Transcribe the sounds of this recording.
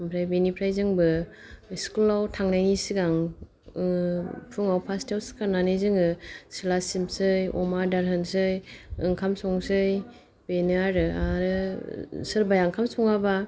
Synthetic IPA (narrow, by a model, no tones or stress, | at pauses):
ampʰɾajbenipʰɾajzɯŋbɯiskulawtʰaŋnajnisiɡaŋ | pʰuŋawpʰastawskʰaɾnanɯjzɯŋɯsilasimsɯjɔ̰madaɾɦɯnsɯjɯŋkʰamsɔŋsɯj | benaɾɯaɾɯ | sɯɾbajaŋkʰamsɔŋaba